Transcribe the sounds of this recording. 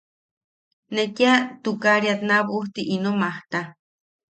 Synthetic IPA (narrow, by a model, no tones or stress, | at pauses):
nekiat̪ukaɾiat̪naβuht̪iʔinomaht̪a